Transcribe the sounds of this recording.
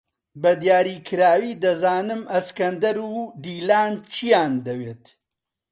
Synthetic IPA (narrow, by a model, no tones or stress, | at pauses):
bɐd̪jaːɾiːkʰɨɾaːwiːd̪ɐzaːnɨmɐskɐnd̪ɐɾuːd̪iːlaːnt͡ʃʰijaːnd̪ɐweːt̪